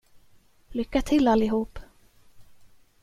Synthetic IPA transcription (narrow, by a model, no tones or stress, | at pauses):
lʏkːat̪ʰɪlːalɪɦuːp